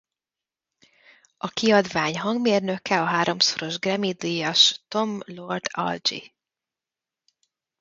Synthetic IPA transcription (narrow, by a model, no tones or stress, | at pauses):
ɒkiɒd̪vaːɲɦɒŋɡmeːrnø̞kʰɛɒɦaːɾo̞msoɾo̞ʒɡrɛmid̪ijɒʃt̪o̞mlo̞rt̪ʰɒ̰ld͡ʒḭ